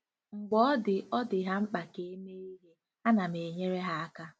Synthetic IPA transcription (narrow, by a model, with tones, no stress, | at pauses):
ŋ͡m̩˨ɡ͡bɔ˦ɔ˦dɪ˨ɔ˦dɪ˨ɦa˦ŋ͡m̩˦k͡pa˨ke˦e˦me˦i˦ɦe˦ | a˦na˨me˨ɲe˦ɾe˦ɦa˦a˦ka˦